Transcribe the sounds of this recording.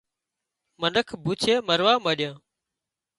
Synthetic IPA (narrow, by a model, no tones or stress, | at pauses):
mənəkʰbʱuːt͡ʃʰeːməɾʋaːməɗjãː